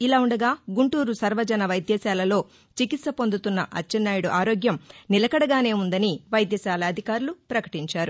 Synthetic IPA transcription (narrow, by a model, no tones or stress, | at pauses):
ilaːuɳɖɐɡaːɡuɳʈuːɾusɐɾʋɐd͡ʒɐnɐʋɐjd̪jɛːsaːlɐlo̞ː | t͡ʃikit̪sɐpo̞nd̪ut̪unːɐʔɐt͡ʃːɐnːaːjuɽuʔaːɾoːɡjɐmnilɐkɐɽɐɡaːne̞ːund̪ɐniʋɐjd̪jɛːsaːlɐːd̪ʱikaːɾulupɾɐkɐ̥ʈiɲt͡ʃaːɾu